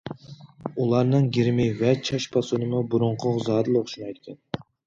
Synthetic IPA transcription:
ulˠɑɾnɨŋɡʲiɾmɪvɛt͡ʃʰɑʃpʰɑsunɨmubuɾʊɴqʰʊʁzɑːd̪ɨlˠoχʃunɑjt̪ɪkʲʰɛn

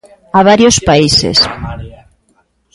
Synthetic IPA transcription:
aβaɾjospaisḛs

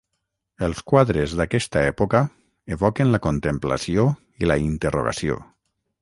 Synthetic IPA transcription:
əlˠskwaðɾezðakɛst̪aɛpoka | eβɔkenlakont̪empla̰sio | ilaint̪əro̰ɣa̰sio̰

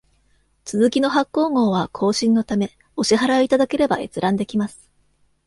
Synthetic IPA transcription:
t͡sɨzɨkʲino̞ɦakːo̞ːŋo̞ːβ̞akʰo̞ːɕĩnːo̞t̪ame̞ | o̞ɕiɦaɾait̪ad̪ake̞ɾe̞bae̞̰t͡sɨɾãnd̪e̞kʲimasɨ̥

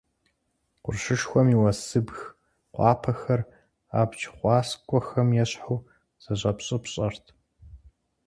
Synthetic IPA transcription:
qʷʊrɕɨʂxʷɔmiwɐsɨbx | qʷɑːpʰɐxɐr | a̰ːbt͡ʃʰχʷɑːskʷʼɔxɐmjɛɕħuː | z̥ɐʑʼɐpɕʼɨpɕʼɐrtʰ

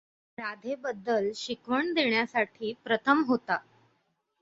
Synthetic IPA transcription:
ɾad̪ʱebəd̪ːəlɕikʋəɳd̪eɳjasaʈʰiːpɾət̪ʰəmɦot̪a

